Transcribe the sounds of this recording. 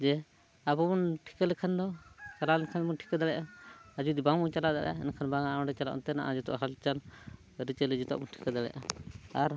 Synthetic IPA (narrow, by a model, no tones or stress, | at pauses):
d͡ʒɛ | abɔbɔnʈʰi̥kəlɛkʰand̪ɔkalalɛnkʰanbɔnʈʰi̥kad̪aɽɛʔaad͡ʒud̪ibaŋbɔŋt͡ʃalaʔd̪aʔa̰ɛ̰nakʰanbaŋaɔ̃ɳɖɛt͡ʃalaʔṵnt̪ɛnaʔad͡ʒut̪ɔ̰ʔɦalt͡ʃal | ɾit͡ʃəlid͡ʒit̪a̰ʔbɔnʈʰi̥kad̪aɽɛ̰ʔa̰aɾ